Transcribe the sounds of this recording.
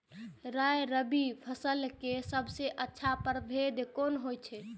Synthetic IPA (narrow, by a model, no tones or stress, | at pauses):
ɾajɾəbipʰəsəlkesəbʱseʔətːʃʰapəɾbʱed̪konɦojt͡ʃʰɛ